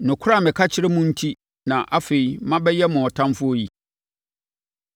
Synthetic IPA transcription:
nʊ̃˨kʰʊ˦ɾa˦˨mɪ̃˨kʰa˦t͡ɕʰɪ˦ɾɪ˦mʊ̃˦n̩˦tʰi˦ | nã˨ʔa˦fe˨i˨mã˦bɛ˦jɛ˦mʊ̃˨ɔ˨tʰã˦mfʊ˦o˦ji˨

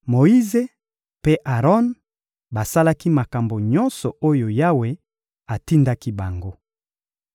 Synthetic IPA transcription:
mo˨i˦ze˦ | pe˦ʔa˨ʁɔ˦n | ba˨sa˦la˦ki˦ma˨ka˨mbo˨ɲɔ̃˦nsɔ˨o˦jo˨ja˦we˦ | a˨ti˦nda˦ki˦ba˨ŋɡo˦

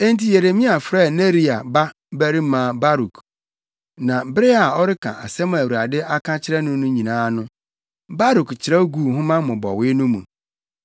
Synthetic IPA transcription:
e˦ntʰi˦je˨ɾe˨mĩ˦a˨fɾɛ˦˨ne˦ɾi˦a˨ba˦ | bæ˦ɾi˦mãː˨ba˦ɾu˨kʰ | nã˨bɾɪ˦a˨ɔ˦ɾɪ˦kʰã̰˨ʔa̰˨sɛ˦m̃˦˨æ˨wu˨ɾa˨dɪ˦a˦kʰã˦t͡ɕʰɪ˦ɾɛ˦nʊ̃˦nʊ̃˦ɲĩ˨nãː˦nʊ̃˦ | ba˦ɾu˨kt͡ɕʰɪ˨ɾɛ˦ɡu˦˨hʊ̃˦mã˦mʊ̃˨bɔ̰˨wɪː˦nʊ̃˦mṵ̃˨

